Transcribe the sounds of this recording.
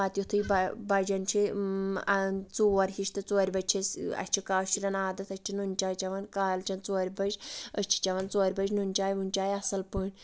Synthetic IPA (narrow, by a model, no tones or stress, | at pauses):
aːt̪ʲjut̪ʰɨjbɐbɐd͡ʒɐnt͡ʃʰi | t͡suːɐɾʲɦiʃt̪ɨt͡soːɾʲbɐd͡ʒt͡ʃʰisɐ̰t͡ʃʰikaːʃt͡ʃʰiɾɐnaːd̪ɐt̪ɐt͡ʃʰinunʲt͡ʃaːjt͡ʃɐʋɐnkaːlt͡ʃɐnt͡soːɾʲbɐd͡ʒət͡ʃʰi̥t͡ʃɐʋɐnt͡soːɾʲbɐd͡ʒnunʲt͡ʃaːjʋunʲt͡ʃaːjɐsɐlpɨnʲ